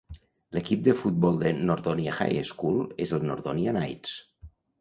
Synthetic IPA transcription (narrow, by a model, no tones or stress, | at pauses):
ləkip̚d̪əfut̪̚bɔlˠd̪ənoɾðoniaxa̰jeskulˠezəlˠno̰ɾðonianajts